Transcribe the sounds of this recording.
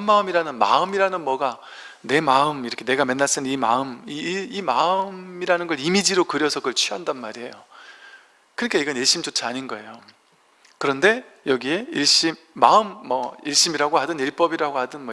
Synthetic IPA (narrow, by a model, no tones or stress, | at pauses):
nmaɯmiɾanɯnma̰ɯmiɾanɯnmʌɡa | ne̞maɯmiɾʌkʰene̞ɡamenːas͈ɯnnima̰ɯmiimaɯmiɾanɯnɡʌɭimid͡ʑiɾokɯɾjʌsʰʌɡɯɭt͡ɕʰiɦandanmaɾiɦe̞jo | kɯɾikʰeiɡʌnje̞ɕ͈imt͡ɕot͡ɕʰiaɲinɡʌe̞̰jo | kɯɾʌnde̞ | jʌɡie̞iɭɕ͈imːaɯmːʌiɭɕ͈imiɾaɡohadɯniɭp͈ʌbiɾaɡohadɯnmʌ